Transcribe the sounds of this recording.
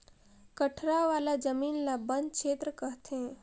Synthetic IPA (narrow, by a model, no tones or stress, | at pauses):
kəʈʰɾaʋaːlad͡ʒəmiːnlabə̃nkʃʰeːt̪ɾəkəɦt̪ẽ